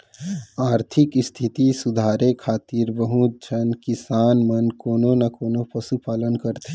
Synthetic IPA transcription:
aːɾt̪ʰɪkst̪ʰit̪isud̪ʱaːɾekʰaːt̪iːɾbəɦũt̪̚t͡ʃʰənkɪsaːnmənkoːnonakoːnopəsupaːlənkəɾt̪e

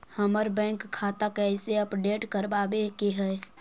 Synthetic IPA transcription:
həməɾbɛ̃ŋkʰːat̪akəɪseəpɖeʈkəɾbabekeɦɛe

